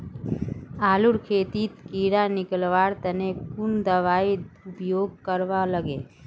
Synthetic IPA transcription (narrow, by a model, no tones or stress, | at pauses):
aːluɾkʰeːt̪it̪kiːɾanɪkəlʋaːɾt̪ənekund̪əʋaːiʊpjoːɡ̚kəɾʋaləɡeː